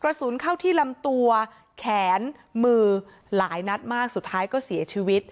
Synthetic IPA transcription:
kɾa˧su˩˦nkʰa˥˩wt̪ʰiː˥˩la˧mt̪u˧ɐ | kʰɛː˩˦n | mɯː˧ | laː˩˦jna˦˥t̪̚maː˥˩k̚su˨˩t̪ʰːaː˦˥jkɔː˥˩si˩˦ɐt͡ɕʰiː˧˥wi˦˥t̪̚

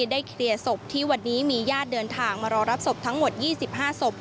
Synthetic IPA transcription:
daː˥˩jkʰɾi˧əso˨˩p̚t̪ʰiː˥˩wa˧nːiː˦˥miː˧jaː˥˩t̪̚dɤː˧nt̪ʰaː˧ŋmaː˧ɾɔː˧ɾa˦˥p̚so˨˩p̚t̪ʰa˦˥ŋmo˨˩t̪̚jiː˥˩si˨˩p̚ɦaː˥˩so˨˩p̚

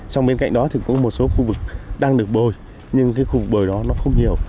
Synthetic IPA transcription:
t͡ɕa˧wŋ͡mɓe˧nka̰˧˨ŋ̟ɗɔ˨˦t̪ʰi˨˩kʊ̰˧˥ŋ͡mmo˨˩t̚so˨˦xu˧vɨ˨˩k̚ɗaː˧ŋɗɨ˨˩ək̚ɓo˨˩j | ɲɨ˧ŋkaː˨˦jxu˧vɨ˨˩k̚ɓəː˨˩jɗɔ˨˦nɔ˨˦xə˧wŋ͡mɲi˨˩əw

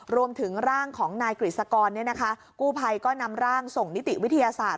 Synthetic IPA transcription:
ɾu˧əmt̪ʰɯ˩˦ŋɾaː˥˩ŋkʰɔː˩˦ŋnaː˧jkɾi˨˩t̪̚sa˧kɔː˧nːi˥˩ɐna˦˥kʰa˦˥ | kuː˥˩pʰa˧jkɔː˥˩na˧mɾaː˥˩ŋso˨˩ŋni˦˥t̪i˨˩ʔwi˦˥t̪ʰa˧jaː˧saː˨˩t̪̚

